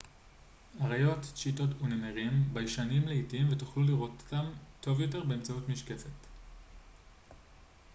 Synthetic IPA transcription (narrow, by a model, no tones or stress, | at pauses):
aʁajo̞tʃito̞tunemeʁimbajʃanimleitimvetu̥χluliʁottamto̞vjo̞te̞ʁbe̞ːmt͡sautmiʃke̞fe̞t